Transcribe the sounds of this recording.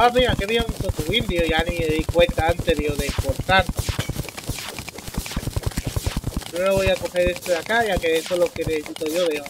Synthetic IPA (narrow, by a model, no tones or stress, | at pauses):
aβiakeβiaut̪ot̪owind̪jojanieðikwent̪aant̪eðjoðeimpoɾt̪aɾ | noloβojakoxeɾest̪oðeakaʝakeesolokeneesit̪ojoðeo